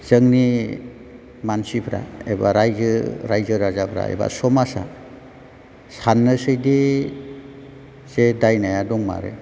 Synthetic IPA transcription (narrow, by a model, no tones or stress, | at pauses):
z̥əŋni | mansipʰɾa̰ebaɾajzɯɾajzɯɾazapʰɾa̰ḛba̰sɔmasa | sanːɯsɯjde | z̥edajnajadɔŋma̰ɾḛ